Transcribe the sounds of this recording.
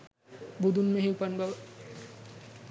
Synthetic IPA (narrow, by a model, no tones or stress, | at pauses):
bud̪unmẽɦipɐnbɐ